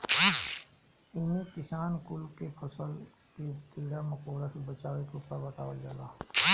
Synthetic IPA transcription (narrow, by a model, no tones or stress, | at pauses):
ɪnẽkɪsaːnkʊlkepʰəsəl | ket̪eːɽaməkoːɾasbət͡ʃaːʋet̪upabət̪aːʋəld͡ʒaːlaː